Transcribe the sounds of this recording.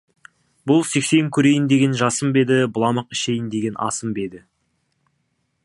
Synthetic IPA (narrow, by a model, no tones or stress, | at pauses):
bʊlˠse̞kse̞ŋkʲʰɵɾe̞jɪnd̪e̞ɡʲe̞nʒɑsəmbe̞d̪ɪbʊlˠɑməqɪʃe̞jɪnd̪e̞ɡʲe̞nʔɑ̰səmbe̞d̪ɪ